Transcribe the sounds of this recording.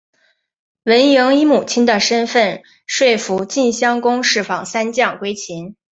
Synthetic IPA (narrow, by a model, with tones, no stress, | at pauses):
wə˧˥njɤ˧˥ŋi˧˥mu˨˩t͡ɕʰi˥nd̪ə˨ʂə˥nfə˥˧n | ʂwe˥˩ɪfu˧˥t͡ɕi˥˩nɕjɑ˥ŋkʊ˥ŋʂɻ̩˥˩fɑ˥˩ŋsa˥nt͡ɕjɑ˥˩ŋkwe˥ɪt͡ɕʰi˧˥n